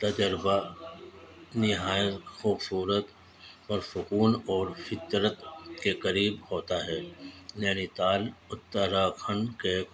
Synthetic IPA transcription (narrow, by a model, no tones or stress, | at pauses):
t̪ɐd͡ʒ̪əɾba | nɪɦaːjət̪xuːbsuːɾət̪ | pɐɾsʊkuːnɔːɾfɪt̪ɾət̪kekɐɾiːbhoːt̪aɦɛːnjaːnit̪aːlʊt̪ːəɾaːkʰəɳke